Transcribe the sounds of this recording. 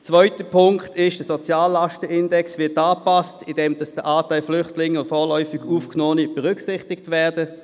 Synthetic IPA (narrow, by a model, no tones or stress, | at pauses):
t͡svœʏtəpʰʊŋkχtɪʃd̥əsot͡sjaːlːaʃtəɪndɛksvɪɐtaːpastɪdɛmd̥ɑsd̥əʔaːtaɪlflʏχtlɪŋːəʊnfoːlœʏfɪɡuːfknoːnib̥əʁʏksɪχtɪktvɛːɐdə